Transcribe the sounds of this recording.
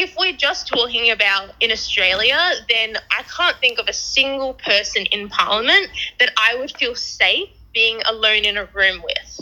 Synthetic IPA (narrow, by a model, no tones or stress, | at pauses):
ɪfwid͡ʒʌstʰɔkɪ̃ŋɨbaʊɾɨ̃nɨstɹ̥eɪlˠjɨðɨ̃nʔaɪkʰæ̃nθɪ̃ŋkʌvɨsɪ̃ŋɡəl̩ˠpʰɜ˞sɨ̃nɨ̰̃npʰɑ̰ɹlˠəmɨ̃nðɨɾaɪwəd̥filˠseɪfb̥iɪ̃ŋə̰lõʊ̃nɨ̃nəɹʉ̃mwɪ̰ð̥